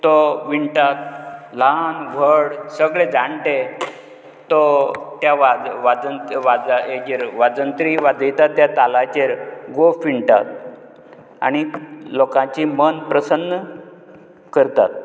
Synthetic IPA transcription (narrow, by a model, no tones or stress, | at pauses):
t̪ɔʋiɳʈat̪̚lanʋ̤ʱəɽsəɡɭed͡zaɳʈe | t̪ɔt̪jaʋaʋad͡zənʋad͡zaed͡ʑeɾʋad͡zənt̪ɾiʋad͡zʱəjt̪at̪ːjat̪alat͡ɕeɾɡofʋiɳʈa̰t̪̚ | a̰ɽ̃ilokãt͡ɕimənpɾəsənːə | kəɾt̪a̰t̪̚